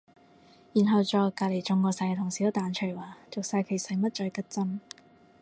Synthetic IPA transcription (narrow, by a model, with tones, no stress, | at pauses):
jiː˨˩nɦɐ˨˧wt͡ʃɔː˨˧kaː˧˩le˨˩jt͡ʃʊ˧ŋkɔː˧sɐ˨˧jt̪ʰʊ˨˩ŋsiː˨˥wt̪aː˨˧nt͡ʃʰɵ˨˩jwaː˨t͡sʊ˨k̚saː˧jkʰe˨˩jsɐ˨˩jmɐ˥t̚t͡ʃœ˧jkɐ˥t̚t͡sɐ˥n